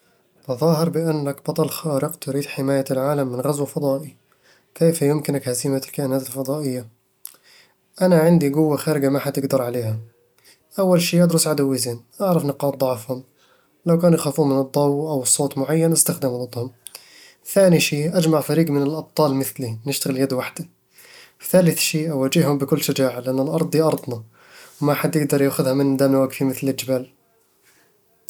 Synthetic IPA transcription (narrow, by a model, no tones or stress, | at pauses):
ʔ̪ɑðˤɑːɦɪɾˤbɪʔanːakbɑt̪ˤɑlxaːɾɪqt̪ʊɾiːd̪ħɪmaːjalʕaːlamːɪnɣazwafɑd̪ˤɑːʔi | keːfjʊmkɪnakhazimalkaʔɪnaːt̪ɪlfɑd̪ˤɑːʔɪjːa | ʔanaʕɪnd̪iɡʊwːaxaːɾɪɡamaħat̪ɪɡd̪ɑɾˤʕaleːha | ʔawːalʃiːad̪ɾʊsʕad̪awːɪziːnʔaʕɾˤɑfnɪqɑːɾˤd̪ˤɑʕfhʊm | lawkæːnjxaːfuːmɪnɨd̪ˤːɑwʔawsˤːoːt̪ˤmʊʕajːanʔɪst̪axd̪amld̪ˤhʊm | θaːniʃiːʔæd͡ʒmaʕfaɾiːɡmɪnəlʔɑb̚t̪ˤːɑːlmɪθlinɪʃt̪aɣɪljæd̪waħd̪a | θaːlɪθʃiːʔawaːd͡ʒɪhhʊmbəkʊlːʃad͡ʒaːʕalɪʔanːəlʔɑɾˤd̪ˤiʔɑɾˤd̪ˤnɑ | wmaħad̪jɪɡ̚d̪ɑɾˤjaːxʊðhamɪnːd̪aːmlwaɡfimɪθlɪld͡ʒɪbaːl